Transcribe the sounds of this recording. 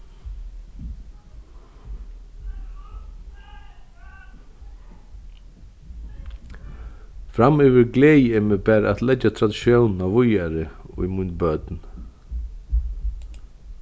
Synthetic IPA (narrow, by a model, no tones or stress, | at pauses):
fɾamʏvɪɾɡleɛːjɛmɛbɛːɾa̰t̪lɛt͡ʃːat̪ʰɾad̪ɪʃjownn̩awvʊjaɾɪʊ̰jmʊnbœt̪n